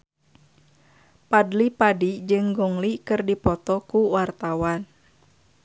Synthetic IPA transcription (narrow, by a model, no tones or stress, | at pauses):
padlipadid͡ʒɨŋɡɔŋlikɨrdipɔt̪ɔkuwart̪awan